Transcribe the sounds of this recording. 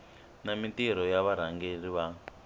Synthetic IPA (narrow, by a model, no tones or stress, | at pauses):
namitiɾ̤ɔjaβaɾ̤aŋɡeriβa